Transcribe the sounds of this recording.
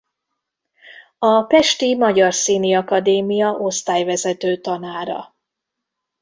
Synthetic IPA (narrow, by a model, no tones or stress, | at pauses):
ɒpɛʃt̪imɒɟɒrsiːniɒkɒd̪eːmijɒʔo̞st̪aːjvɛzɛt̪øːt̪ɒnaːɾɒ̰